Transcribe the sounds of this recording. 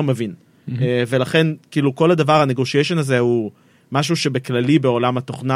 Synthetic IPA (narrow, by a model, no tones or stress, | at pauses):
mevin | eve̞laχe̞nkiːluko̞lad̪avaʁhaneɡoʃieʃo̞nazehu | maʃ̬uʃe̞beklalibe̞o̞lamat̪o̞χna